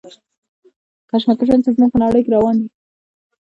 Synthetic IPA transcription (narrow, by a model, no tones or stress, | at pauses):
kaʃmat̪ʊʃ̬ant͡sazmuɡ̚pənaɽəjkeɾawɑnd̪i